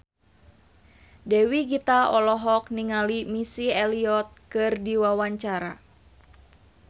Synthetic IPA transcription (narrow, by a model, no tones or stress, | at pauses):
dɛwiɡit̪aɔlɔɦɔk̚niŋalimisiɛliɔt̪̚kɨrdiwawaɲt͡ʃaɾa